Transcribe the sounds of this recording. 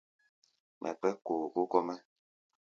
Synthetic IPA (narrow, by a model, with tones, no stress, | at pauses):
mʔɛ̰˨k͡pɛ˦koː˨ko˦kɔ˦mɛ˦